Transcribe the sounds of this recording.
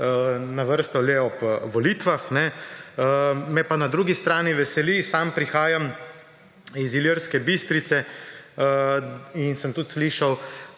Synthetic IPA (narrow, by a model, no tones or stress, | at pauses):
naʋəɾst̪ɔlɛɔbʋɔlit̪ʋaxnɛ | mɛpanad̪ɾuːɡist̪ɾaːniʋɛsɛlisaːmpɾixaːjam | iziləɾskɛbist̪ɾit̪sɛ | insəmt̪ut̪sliʃaw